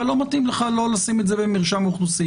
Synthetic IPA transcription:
alo̞matimleχalo̞lasimetzebemiʁʃamuχlusi

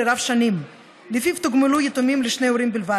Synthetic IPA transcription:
eɾavʃanim | lifivt̪uɡmulujet̪umimleʃnejoɾimbilva

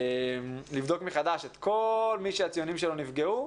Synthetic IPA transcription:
emlivd̪o̞kmiχad̪aʃet̪ko̞lmiʃeat͡sijonimʃelo̞nifɡeu

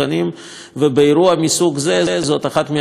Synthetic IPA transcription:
anim | vebeiɾuamisuɡzezot̪aχat̪me

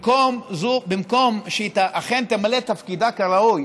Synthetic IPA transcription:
komzubimko̞mʃet̪aʔaχent̪emalet̪afkid̪akaʁauj

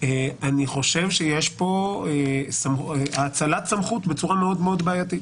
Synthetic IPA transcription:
eaniχo̞ʃevʃejeʃpo̞esameaːt͡salat̪samχut̪bet͡suʁameo̞d̪meo̞d̪baajat̪it

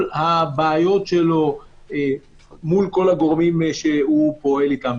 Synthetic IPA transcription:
lhabeajo̞t̪ʃelo̞ | mulko̞laɡo̞ʁmimːeʃehupo̞e̞likam

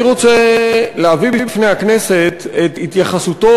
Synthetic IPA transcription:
ʁo̞t͡seleavibibifnejakne̞se̞t̪et̪it̪jaχasut̪o

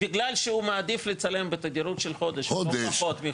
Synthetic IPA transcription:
iɡlalʃeumaːd̪iflet͡sale̞mbet̪aɡ̪iɾut̪ʃelxo̞d̪eʃodd̪eʃot̪mi

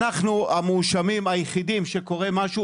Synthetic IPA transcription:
aχnuamuʃamimajeχidimʃe̞ko̞ʁe̞maʃu

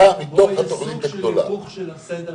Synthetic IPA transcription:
amit̪oχat̪oʔjit̪ad̪ola̰

